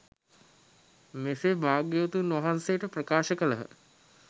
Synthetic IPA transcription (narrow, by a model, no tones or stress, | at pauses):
mesebaːɡjeot̪unʋɐɦanseʈəprɐkaːʃəkələɦə̰